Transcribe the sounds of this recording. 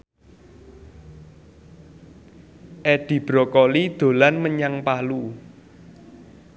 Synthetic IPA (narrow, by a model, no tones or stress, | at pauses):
ʔɛɖ̥i̤b̥ɾɔ̤kɔlid̪̥o̤lanməɲaŋpalu